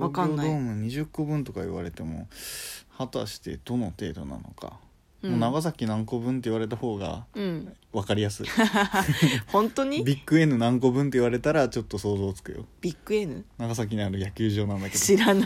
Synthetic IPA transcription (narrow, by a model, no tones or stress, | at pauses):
βaɡaɾomɯ̟̃ɲ̟iʑɨkːo̞bɯ̟̃nt̪o̞kaḭβa̰ɾe̞t̪e̞mo̞̰hat̪a̰ɕi̥t̪e̞̰d̪̥o̞no̞t̪e̞̰ːd̪o̞̰na̰no̞̰ka̰ | moːnaɡas̬akʲinãŋko̞bɯ̟̃nt̪̬e̞iβaɾe̞t̪̬aho̞ːɡa̰ɯ̃ | βakaɾʲijasɨ̰ | hõnt̪oɲ̟ibʲikːɯe̞nɯ̟nãŋko̞bɯ̟̃nt̪̬e̞iβaɾe̞t̪aɾat͡ɕo̞t̪ːo̞so̞ːzo̞ːt͡sɨ̥kɯ̟̰jo̞̰b̥ʲikːɯ̟enɯnaɡas̬ak̬ʲiɲ̟iaɾɯ̟jakʲɨːʑo̞ːnãnd̪ake̞d̪oiɾan